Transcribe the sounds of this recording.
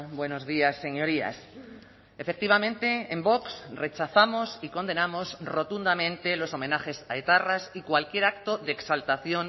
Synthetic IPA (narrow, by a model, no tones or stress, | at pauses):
bwe̞nozðiasːe̞ɲo̞ɾia̰s | efek̚t̪iβ̞amẽnt̪e̞ːmbo̞ksre̞t͡ʃaθamo̞siko̞nd̪e̞namo̞srot̪und̪amẽnt̪e̞lo̞so̞mẽ̞naxe̞saet̪arasikwalkje̞ɾak̚t̪o̞ðeksalt̪aθjo̞n